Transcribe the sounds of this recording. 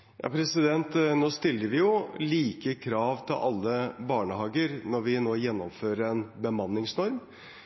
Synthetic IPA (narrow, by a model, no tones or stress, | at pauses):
jɑ̰ːpʰɾɛsɪd̪ɛnt̪noːst̪ɪlːəɾʋɪjʊliːkəkʰɾɑːʋt̪ʰɪlʔɑlːəbɑːɳəhɑːɡəɾnɔɾʋɪnoːjɛnːɔmføːɾəɾɛnbəmɑnːɪŋsnɔɾm